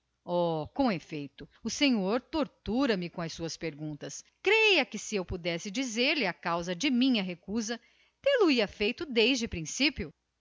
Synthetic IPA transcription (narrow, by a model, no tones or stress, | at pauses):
ɔkõefejt̪ʊʊsẽɲoɾt̪oɾt̪uɾɐmɪkõɐsuɐspeɾɡũnt̪ɐskɾejɐkɪsɪewpud̪ɛsɪd͡ʒizeɾlɪakawzɐd͡ʒɪmĩɲɐɦekuzɐ | t̪eluiɐfejt̪ʊd̪ejzd͡ʒɪpɾĩsipjʊ